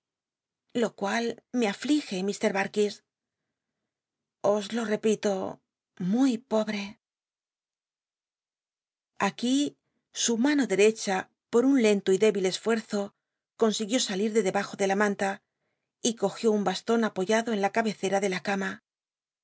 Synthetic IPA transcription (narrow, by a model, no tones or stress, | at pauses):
lo̞kwalme̞aflixe̞mist̪e̞ɾβaɾkis | ozlo̞re̞pit̪o̞ | mujpo̞βɾe̞ | aki | sumano̞ðe̞ɾe̞t͡ʃa | po̞ɾunle̞nt̪oiðe̞βile̞sfwe̞ɾθo̞ | ko̞nsiɣjo̞saliɾðe̞ðe̞βaxo̞ðe̞lamãnt̪a | iko̞xjo̞umbast̪o̞napo̞ʝaðo̞e̞nlakaβe̞θe̞ɾaðe̞lakama